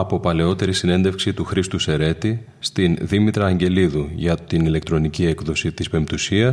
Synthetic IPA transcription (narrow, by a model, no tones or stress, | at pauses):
ɐpo̞pɐle̞o̞t̪e̞ɾisine̞nd̪e̞fksit̪uxɾist̪use̞ɾe̞t̪i | st̪inðimit̪ɾɐːɲɟe̞liðuʝɐt̪inile̞kt̪ɾo̞nicie̞kðo̞sit̪ispe̞mbt̪usiɐs